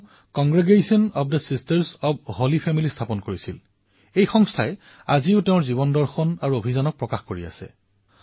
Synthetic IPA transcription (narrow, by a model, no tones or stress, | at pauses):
kɔŋɡɹiɡesiɔnɔb̚dəsistɛɹsɔb̚holipʰɛmilistʰapɔnkoɹisil | ejxɔŋstʰaɛ | aziʊteʊɹziβɔndɔɹxɔnaɹuobʱizanɔk̚pɹɔkaxkoɹia̰sɛ̰